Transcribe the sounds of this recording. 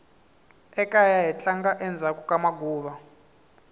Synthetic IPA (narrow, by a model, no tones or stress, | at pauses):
ɛkʼajaɦit͡ɬaŋɡaʔɛnd͡zʱakukʼamaɡʱuːβa